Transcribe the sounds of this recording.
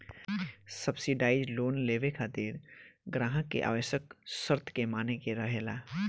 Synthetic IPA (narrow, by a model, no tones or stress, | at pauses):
səbsiɖaːɪd͡ʒloːnleːʋekʰaːt̪iːɾɡɾãːɦə̃kḛʔa̰ːʋəʃjəksəɾt̪ʰkemaːnekeɾəɦeːlaː